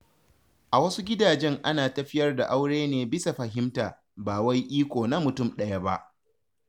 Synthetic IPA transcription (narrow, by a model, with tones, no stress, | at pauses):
ʔa˨wɐ˦su˦ɡʲɪ˦daː˨d͡ʒɛ˦ŋʔa˦naː˨tɐ˨ɸɪ˦jɐ˦rda˨ʔa˦wɽeː˦neː˨bɪ˦sa˨ɸɐ˨ɦɪ˦mtaː˨ | baː˨wa˦jʔiː˦kʷoː˨na˦mʊ˨tʊ˦˨mɗɐ˦ja˦ba̰˦ʔ